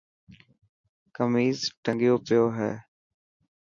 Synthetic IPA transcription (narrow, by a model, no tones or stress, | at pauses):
kəmiːzʈəŋɡjoːpɪjoːɦɛ̰ː